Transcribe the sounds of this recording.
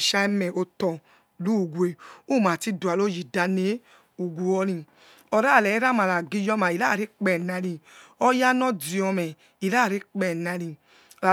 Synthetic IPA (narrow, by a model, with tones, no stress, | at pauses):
ʃa˧mɛ˨o˧tɔ˨ | lu˦˨ɡʷe˨u˦˨ma˨ti˧du˨a˨lo˦ji˨da˧ne˨˦ | u˨ɡʷu˨ɔ˧ɾĩ˧˨ | ɔ˧ɾa˦˨lɛ˨˦ɾa˦ma˨la˨ɡi˧jɔ˧˦ma˨i˨la˦˨ɾi˦k͡pɛ˨na˧˦ɾĩ˧ɔ˧ja˦nɔ˦di˨ɔ˧mɛ˨ | i˨la˦˨ɾi˦k͡pɛ˨na˧ɾi˧˨ | la˨